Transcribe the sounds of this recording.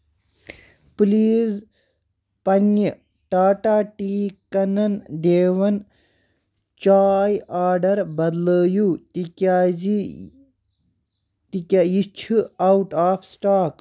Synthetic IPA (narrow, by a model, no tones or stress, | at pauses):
pliːz | pɐnjə | ʈaːʈaːʈiːkɐnɐnd̪eːʋɐn | t͡ʃaːjaːɾɖɐɾbɐd̪ləːjut̪ikaːi | t̪ikʲajit͡ʃʰuɐwʈaːfʰsʈaːk